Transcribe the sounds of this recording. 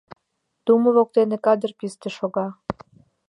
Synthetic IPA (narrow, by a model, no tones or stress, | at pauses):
t̪uməβok̚t̪enekɑd̪ərpist̪eʃoɣɑ